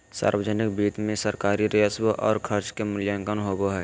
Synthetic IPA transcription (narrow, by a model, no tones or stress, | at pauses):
sa̰ːɾwəd͡ʒənɪk̚biːt̪mẽsəɾkaːɾiɾejəswəʔɔːɾkʰəɾt͡ʃkemɪljãŋkənɦoːboɦɛː